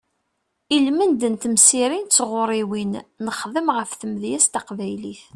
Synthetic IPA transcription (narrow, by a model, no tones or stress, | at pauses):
ilmənd̪ənt̪əmsiɾint͡sːʁʊɾˤiwinːəχðəmʁəfθəmðjæst̪æqvæjliθ